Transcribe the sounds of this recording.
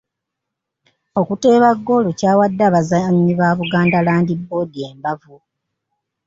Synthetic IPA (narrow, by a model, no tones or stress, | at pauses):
o̞kute̞ːβaɡːo̞locaːwadːaːβazaɲːiβaːβuɡaːndalaːndibːo̞ːdieːmbavu